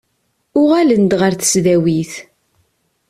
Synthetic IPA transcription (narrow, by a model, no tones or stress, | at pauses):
ʊʁælənd̪ʁəɾθə̥sðæwiθ